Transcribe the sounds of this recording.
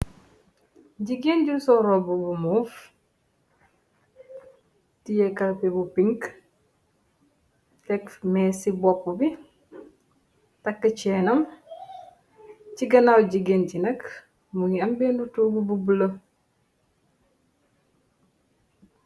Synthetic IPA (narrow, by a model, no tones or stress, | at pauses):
ɟiɡenɟusɔɾɔbubumuf | tijɛkɐlpebupiŋk | tɛkmɛːsibɔpːubi | tɐkːət͡ʃɛːnɐm | ciɡɐnawɟiɡencinɐk | muŋiɐmbendutuːbububulə